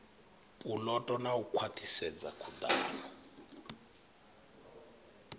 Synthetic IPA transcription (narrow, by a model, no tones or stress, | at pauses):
pʼulɔtʼɔnaukʰwatʰisɛd͡zakʰudaːlɔ